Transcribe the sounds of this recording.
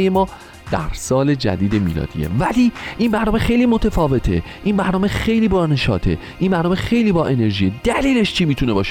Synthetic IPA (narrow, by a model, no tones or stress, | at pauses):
jemɒː | d̪̥æ̰ɾsɒːle̞d͡ʒæ̰d̪iːd̪e̞mḭːlɒ̰ːd̪̥ḭe̞̰væliːʔimbæɾnɒːme̞xe̞jliːmot̪ʰefɒːve̞t̪ʰe̞̰ | ʔinbæɾnɒːmexe̞jliːbɒne̞ʃɒːt̪ʰe̞̰ | ʔimbæɾnɒːmexe̞jliːbɒːʔe̞ne̞ɾʒiːje̞d̪̥æliːleʃt͡ʃʰimiːt̪ʰune̞bɒːʃe